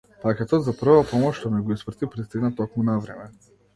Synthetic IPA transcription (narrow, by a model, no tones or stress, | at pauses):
pakʲɛt̪ɔt̪zapr̩vapɔmɔʃt̪ɔnɛɡɔisvr̩t̪ipɾist̪iɡnat̪ɔkmunavɾɛmɛ